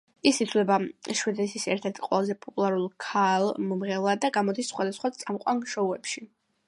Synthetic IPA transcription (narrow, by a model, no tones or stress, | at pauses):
isit̪ʰvlɛbaʃwɛd̪ɛsʰisɛɾt̪ʰɛɾt̪ʰqʼwɛ̰lˠazɛpʼɔpʼulˠaɾulˠkʰalˠmɔmʁɛlˠad̪aɡamɔd̪isːχwad̪asχwat̪sʼamqʼwanʃɔuɛpʃi